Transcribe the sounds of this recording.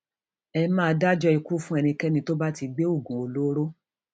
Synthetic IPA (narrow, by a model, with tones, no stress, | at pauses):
ɛ˧mã˦˧da˦d͡ʒɔ˦i˧ku˦fũ˦ɛ˧nĩ˧kɛ˦nĩ˧to˦ba˦ti˧ɡ͡be˦o˦˨ɡũ˨o˨˧lo˦ɾo˦